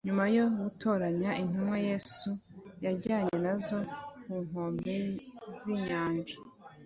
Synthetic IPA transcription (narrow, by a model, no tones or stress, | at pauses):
ɲumajo̞wutʰo̞ːɾaɲaʔin̥umwaje̞ːsujaɾɟaːɲe̞nazo̞kun̥ho̞ːmbeziɲaːnd͡ʒa